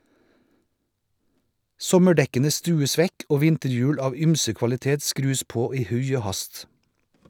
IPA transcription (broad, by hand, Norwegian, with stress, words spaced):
ˈsɔməˌɖɛkənə ˈstʉːəs ˈʋɛk ˈoː ˈʋɪntəɾˌjʉːɽ ˈɑːʋ ˈyːmsə kʋɑlɪˈteːt ˈskɾʉːs ˈpoː ˈiː ˈhʉɪ ˈoː ˈhɑst